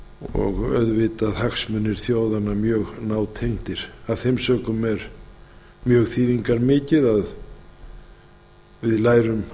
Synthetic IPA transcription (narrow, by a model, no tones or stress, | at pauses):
ɔ̰ɣœ̰ðvɪt̪aðhaksmʏnːɪɾ̥θjoːwðanamjœːɣnaːwt̪ʰejŋ̥t̪ɪɾ̥aðθejmsœːkʏmɛɾ | mjœːɣθiːðiŋkaɾmɪːcɪðað | vɪðlaːjɾʏm